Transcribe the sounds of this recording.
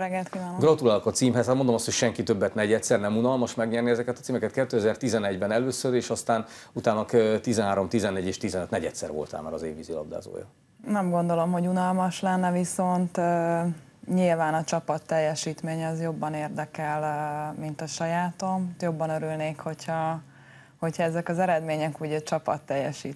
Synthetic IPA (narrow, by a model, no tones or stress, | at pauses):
ɾɛɡːɛlt̪kiːʋaːnɡrɒt̪ulaːlokɒt̪siːmɦɛzhat̪mnd̪omɒstʰho̞cʃɛŋkit̪øbːɛt̪nɛɟɛt̪sɛrnɛmunɒlmɒʃmɛɡɲɛrniɛzɛkɛt̪ɒt̪siːmɛkɛt̪̚kɛt̪ːøːɛzɛrt̪izɛnɛɟbɛnɛløːsøɾeːʃɒst̪aːn | ut̪aːnːɒkt̪izɛnɦaːɾo̞mt̪izɛnːɛɟːeːʃt̪izɛnøt̪nɛɟɛt̪sɛ̰rvo̰lt̪a̰ːma̰ɾɒ̰zeːvːizilɒ̰b̚d̪a̰ːzo̰ːjɒ̰ | nɛmɡo̞nd̪o̞lo̞mɦo̞ɟunɒlmɒʃlɛnːɛviso̞nt̪ː | ɲilvaːnɒt͡ʃɒpɒt̪ːɛjːɛʃiːt̪meːɲɒzjo̞bːɒneːrd̪ɛkɛlmint̪ɒʃɒjaːt̪o̞mjo̞bːɒnøɾylneːkho̞chɒ | ho̞chɒɛzɛkɒzɛɾɛd̪meːɲɛkuːɟɛt͡ʃɒpɒt̪ːɛjːɛʃiːt̪